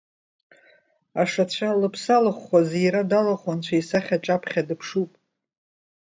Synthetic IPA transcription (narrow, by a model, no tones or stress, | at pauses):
aʂat͡ɕʷʰalɨpʰsalɨχʷazejɾadalaχant͡ɕʷʰaisaχʲaʈ͡ʂʼapʰχʲadɨpʰʂupʼ